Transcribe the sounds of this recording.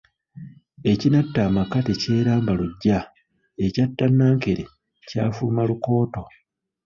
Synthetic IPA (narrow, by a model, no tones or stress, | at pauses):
e̞cinatːamakatece̞ːɾaːmbaluɟːa | e̞catːanːaːŋke̞ɾḛ | ca̰ːfumaluko̞ːto̞